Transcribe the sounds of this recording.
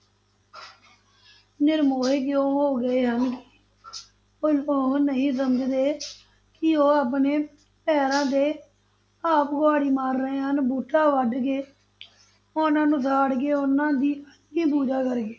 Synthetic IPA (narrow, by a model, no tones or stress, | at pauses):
nɪɾmoːɦekjõːɦoːɡəeːɦənkɪ | oloːnəɦĩːs̬əməd͡ʒd̪eː | kɪoːaːp̬neː | pɛːɾãːd̪eː | aːpɡowaːɽiːmaːɾːəɦeːɦənbuːʈʰːaːʋəɖɡeː | onãːnũːsaːɽɡeːʊnãːd̪iːət̪ĩːpuːd͡ʒaːkəɾɡeː